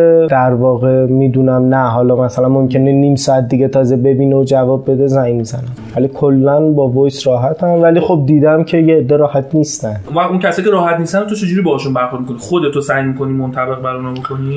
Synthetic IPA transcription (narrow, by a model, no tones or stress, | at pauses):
d̪æɾvɒːɣemiːd̪uːnæmnæɦɒːlɒːmæsælænmomcʰe̞neniːmsɒːæt̪̚ʰd̪iɡʲet̪ʰɒːze̞be̞biːneod͡ʒævɒːbːe̞d̪e̞zæjmizænæmvæliːkʰolːænbɒːvojsɾɒːɦæt̪ʰænvæliːxo̞b̚d̪iːd̪æmcʰe̞jeːd̪ːeɾɒːhæt̪ʰniːst̪ænd̪ʔũvæχuncʰæsɒːjicʰeɾɒːhæt̪niːst̪ænt̪ot͡ʃʰe̞d͡ʒuːɾiːbɒːhɔːʃunbæɾxoɾd̪mikʰonixod̪et̪ʰosæjmiːkʰo̞niːmont̪ʰæbe̞ɣbæɾnɔbokʰoniː